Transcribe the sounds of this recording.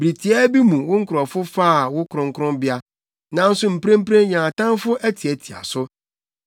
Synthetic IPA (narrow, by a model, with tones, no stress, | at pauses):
bɾi˨tʰi˨ɛ˦bi˦mũ˨wʊ˦ŋ̩˦kʰʊ˨ɾɔ˨fʊ˦faː˦a˨wʊ˦kʰɾʊ̃˦ŋ˦kʰʊ˦ɾʊ̃˦mbɪ˦a˦ | nã˨˦n̩˦sʊ˦m̩˨pʰɾẽ˦m̩˦pɾẽ˦ɲã˨tã˦nfʊ˦ʔæ˦tʰi˨ɛ˨tʰi˨a̰˨sʊ˦